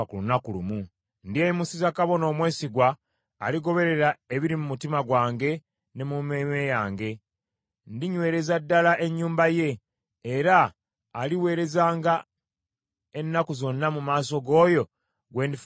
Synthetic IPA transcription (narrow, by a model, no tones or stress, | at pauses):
kulunakulumu | ndiejimusizakaβo̞no̞ːmwe̞ːsiɡwaː | liɡo̞βe̞ɾe̞ɾae̞βiɾimumutimaɡwaːŋɡe̞ | ne̞mumemejaːŋɡe̞ | ndiɲwe̞ːɾe̞zadːalaʔe̞ɲːuːmbaje̞ː | ɾaː | liwe̞ːɾe̞zaːŋɡa | e̞nːakuzo̞nːamumaːso̞ɡo̞ːjo̞ | ɡwe̞ːndif